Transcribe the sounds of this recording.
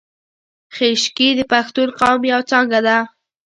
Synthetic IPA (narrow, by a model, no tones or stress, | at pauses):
xeʃkid̪əpaxt̪uɾqɑwmjawt͡sɑŋɡad̪a